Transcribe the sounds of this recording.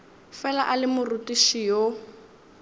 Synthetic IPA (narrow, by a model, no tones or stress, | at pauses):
fɛlaʔalɪmʊrutʼiʃijo